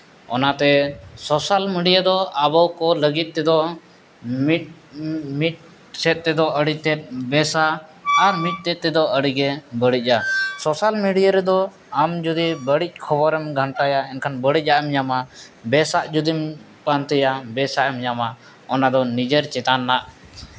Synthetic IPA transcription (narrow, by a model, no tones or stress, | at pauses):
ɔ̰nat̪ɛsɔsalmiɖijad̪ɔabawkɔləɡit̪̚ˀːɛd̪ɔ | it̪̚ | mit̪̚ | sɛt̪̚t̪ɛd̪ɔʔəɽit̪ɛt̪̚ˀbɛsaːɾmit̪̚t̪ɛt̪̚ːɛd̪ɔəɽiɡɛbəɽic̚asɔsalmiɖijaɾɛd̪ɔ | amd͡ʒud̪ibəɽic̚ˀkʰɔbɔɾɛmɡʱaɳʈajaɛnkʰanbəɽic̚ˀaʔɛmjamabɛsaʔd͡ʒud̪im | pant̪ɛjabɛsaʔɛmjama | ɔnad̪ɔnid͡ʒəɾt͡ʃɛt̪anːaʔ